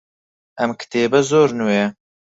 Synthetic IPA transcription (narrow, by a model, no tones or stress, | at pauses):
ɐmkʰɨ̥t̪ʰeːbɐzoːɾnuːjɛ